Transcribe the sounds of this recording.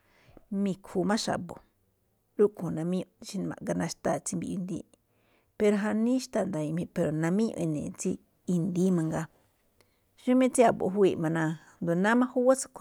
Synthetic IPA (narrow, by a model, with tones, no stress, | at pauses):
mĩ˧kʰfu˧mã˦ʃa̰˨bo̰˨ | ɾu˦kʰõ˨nã˧mĩ˦ũ˧ʃi˧n˧mã̰˨ʔɡa˧nã˧ʃt̪a˧˨t͡si˧mbḭ˧˨jṵ˧nd̪ḭː˦ | pe˧ɾo˧ɦa˧nĩ˦ʃt̪a˧˨nd̪a˨i˧mĩ˧˨pe˨ɾo˨nã˧mĩ˦ṵ̃˧ʔĩ˧˨nḛ̃˨t͡si˧ | i˧nd̪i˦mã˧ŋɡa˧ | ʃu˦mĩ˦t͡si˦a˨bo̰˧˨ɦwiː˧˨ʔmã˧nã˧ | nd̪o˨nã˦mã˦hu˦wa˦t͡sḁ˧kʷʰ